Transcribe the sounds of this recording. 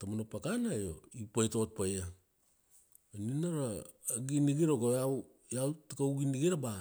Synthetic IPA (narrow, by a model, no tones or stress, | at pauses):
tamanopakanajoipajtot̚paja | ninaɾaː | ɡiniɡiɾokoaw | jawtakauɡiniɡiɾaba